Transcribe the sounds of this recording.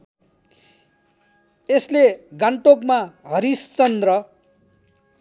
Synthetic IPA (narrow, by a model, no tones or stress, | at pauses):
esleɡaɳʈokmaɦʌɾist͡sʌnd̪rʌ